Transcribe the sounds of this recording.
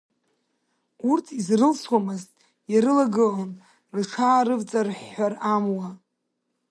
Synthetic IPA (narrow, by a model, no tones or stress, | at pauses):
urtʰizrɨlswamɨztʼ | jaɾɨlaɡɨlon | rɨʈ͡ʂʰaːɾɨvt͡sʼarħːaramwa